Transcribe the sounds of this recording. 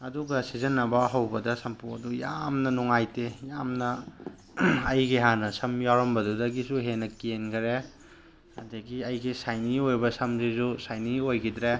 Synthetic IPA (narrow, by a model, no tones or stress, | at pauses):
ɐduɡɐsizɐnːɐbɐɦɐwbɐdɐsɐmpʰuɐdujamnɐnuŋajtejamnɐ | ɐjɡiɦanɐsɐmjawɾɐmbɐdudɐɡisuɦenɐkienkʰɐɾe | ɐdɐɡiɐjɡisajniojbɐsɐmzizusajniojɡidɾe